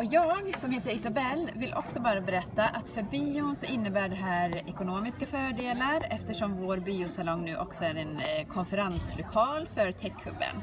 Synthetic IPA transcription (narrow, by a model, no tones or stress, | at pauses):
ɔjɑːɡsɔmheːt̪əɾɪsabɛlːvɪlʔɔ̰ksɔbɑːɾabɛɾɛt̪ːaʔat̪fœɾbiːʊnsɔʔɪnːəbæːɖɛɦæːɾɛkʊnoːmɪskafœːɖeːlaɾɛft̪əʂɔmvoːɾbiːʊsalɔŋːnʉ̟ːʔɔksɔæɾɛnkʰɔnfɛɾanslʊkʰɑːlfœɾt̪ʰɛkʰhɵ̰bːə̰n